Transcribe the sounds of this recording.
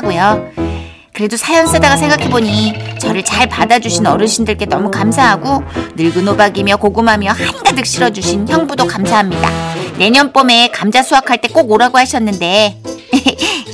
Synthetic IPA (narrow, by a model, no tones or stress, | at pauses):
ɡojo | kɯɾe̞dosʰajʌns͈edaɡasʰe̞ŋɡakʰe̞boɲit͡ɕʌɾɯɭt͡ɕaɭpadad͡ʑuɕʰinʌɾɯɕʰindɯɭk͈e̞nʌmukamsʰaɦaɡonɯɭɡɯnobaɡimjʌkoɡɯmɦamjʌhaɲidadɯk̚ɕ͈iɾʌd͡ʑuɕʰinçjʌŋbudokamsʰaɦamɲida̰ne̞ɲʌnp͈ome̞kamd͡ʑasʰoakʰaɭt͈e̞k͈oɡoɾaɡohaɕʰʌnːɯnde̞j